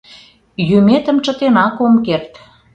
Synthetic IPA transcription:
jømet̪ə̆mt͡ʃə̆t̪enɑkomkert̪

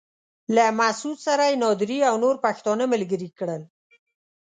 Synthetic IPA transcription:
lamasud̪saɾajnɑd̪ɾiawnoɾpaxt̪ɑnəməlɡəɾikɽəl

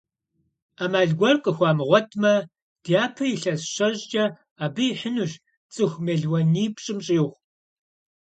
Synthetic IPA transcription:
amaːɮɡʷɔrqʼəxʷɑːmɨʁʷɔtʰmɐ | d̥jaːpʰɐjɪɬɐsɕɐʑt͡ʃʼɐ | aːbɨjiħənuʒ | t͡sʼɨxʷmeɮwɐniːpɕʼɨmɕʼiːʁʷ

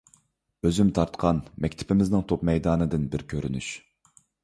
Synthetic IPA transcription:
øzymt̪ʰɑɾt̪qʰɑnmɛkʲt̪ʰɪ̥pʰɪmɪznɪŋt̪ʰopmɛjd̪ɑːnɨd̪ɨnbɪɾkʲʰøɾyny̰ʃ

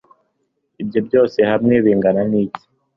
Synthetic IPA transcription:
ib̚ɟo̞bɟo̞ːse̞hamŋeːβiːŋɡananiːci̥

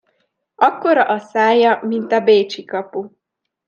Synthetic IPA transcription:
ɒkːoɾɒʔɒsaːjɒmint̪ɒbeːt͡ʃikɒpu

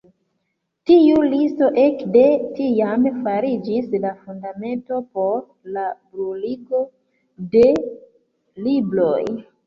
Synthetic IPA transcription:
tiulisto̞ʔe̞kde̞tiamfaɾid͡ʒislafundame̞nto̞po̞ɾ | labɾuliɡo̞ | de̞ | libɾo̞j

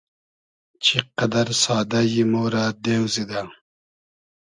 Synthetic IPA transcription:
t͡ʃʰiqɐd̪ɐɾsɑːd̪ajimoːɾaːd̪ewzid̪a

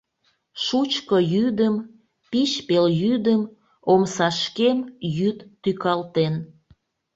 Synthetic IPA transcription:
ʃut͡ɕkəjyd̪əm | piʃpeljyd̪əm | omsɑʃkemjyt̪ːykɑlt̪en

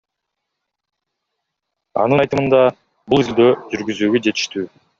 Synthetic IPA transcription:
ɑ̰nɯjt̪ɯmɯnd̪ɑ | bulˠizld̪øːd͡ʒyɾɡyzyːɡød͡ʒe̞t̪i̥ʃt̪yː

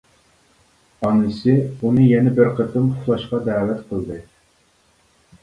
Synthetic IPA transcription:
ɑnɨsɨunɨjɛnɛbɪɾqʰət̪ʰɨmʊʊlˠɑʃqɑd̪æːwɛt̪qʰəlˠd̪ɨ

